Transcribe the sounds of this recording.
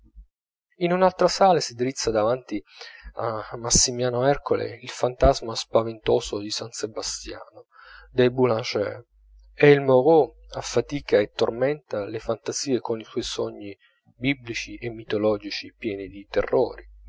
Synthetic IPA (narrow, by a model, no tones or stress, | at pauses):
inunalt̪ɾasaːlasid̪iɾit̪sːad̪avant̪ia̰masːimjaːnoɛrkolḛilfant̪azmaspavent̪oːzod̪isansebast̪ja̰ːno | d̪ebulãnt͡ʃɛ̰ | ɛilmoɣo | afːat̪iːkaet̪ːormɛnt̪alefant̪aziːekoniswɔjsɔɲːi | biblit͡ʃiʔemːit̪olɔːd͡ʒit͡ʃipjɛːnid̪it̪ḛrːo̰ːɾi